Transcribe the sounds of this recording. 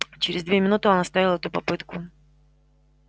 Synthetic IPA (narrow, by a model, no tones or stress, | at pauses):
t͡ɕɪɾʲɪzd̪vʲemʲɪnut̪ɨonɐst̪avʲɪlˠɛt̪ʊpɐpɨt̪kʊ